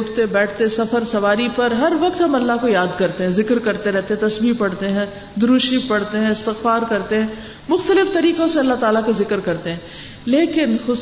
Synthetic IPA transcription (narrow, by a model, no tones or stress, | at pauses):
ʈt̪ebɛːʈʰt̪esɐfəɾsɐʋaːɾipɐɾɦɐɾʋɐq̚t̪ɦɐmɐlːaɦkojaːd̪kɐɾt̪ẽɦɛ̃zɪkɾkɐɾt̪eɾɛɦt̪eɦɛ̃t̪ɐsbiːpɐɽt̪eɦɛ̃ | d̪ʊɾuːʃipɐɽt̪eɦɛ̃ɪst̪ɪxfaːɾkɐɾt̪eɦɛ̃ | mʊxt̪əlɪft̪ɐɾiːqõseɐlːaɦt̪aːlakozɪkɾkɐɾt̪eɦɛ̃ː | leːkɪnxʊ